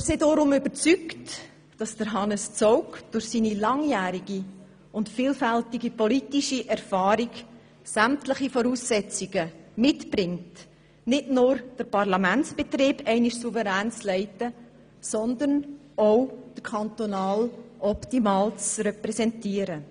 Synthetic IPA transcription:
sedɔɾʊmʏbəɾt͡sykt | d̥ɑsd̥əɾɦɑnəst͡sɔʊkd̥ʊɾχsiːnilɑŋjæːɾiɡ̥i | ʊntfiːlfæltiɡipɔlitiʃiʔɛɾfɑːɾiɡ | sæmtləχifɔɾuːsːɛt͡siɡ̥əmɪtb̥ɾɪŋt | nɪdnʊːɾd̥əɾpɑʁlɑmæntt͡sb̥etɾiːbɛɪniʃsuvəɾæːnt͡slɛɪtə | sɔnd̪ən | oʊd̥əɾkʰɑnt̪onɑːlʔɔptimɑːlt͡srɛpɾɛsɛntiːəɾə

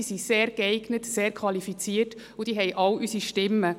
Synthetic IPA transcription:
isiseːɾɡɛɪɡnətseːɾkʰʋɑlifit͡siːərt | ud̥iːɦɛjʔɑwʔysiʃtɪmːə

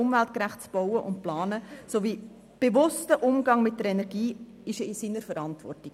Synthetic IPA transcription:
ʊmvælt̚kɾæχt̚t͡sb̥ɔʊwəʔʊnt̚plɑːnəsoviː | b̥evʊstəʔʊmɡɑŋmɪt̚dəɾɛnɛɾɡiː | ɪʃəɪsiːnəɾfəɾɑntvɔ̰rtiɡ

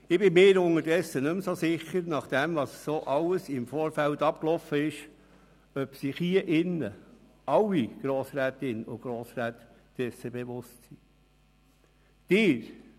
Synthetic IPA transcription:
ɪb̥ɪmɪːɾʊŋədɛsːənʏmsosɪχːəɾnɑχd̥ɛmvɑssoʔɑwəsɪmfoːɾfæltɑpklɔfəɪʃ | œpsiχiəʔɪnːə | ʔɑwiɡ̥ɾoːsɾæːt̪ɪnʊɡ̥ɾoːsɾæːt̪ | d̥ɛsːəbeʋʊstsi | d̪̥ɪːɾ

